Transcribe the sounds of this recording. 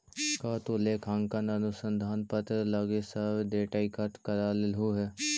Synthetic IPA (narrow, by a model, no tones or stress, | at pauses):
kaːt̪oːleːkʰaːŋkənənʊsənd̪ʱaːnpət̪ɾələɡesəʋd̪eːʈaːikəʈkəɾaːlɪlɦuːɦɛ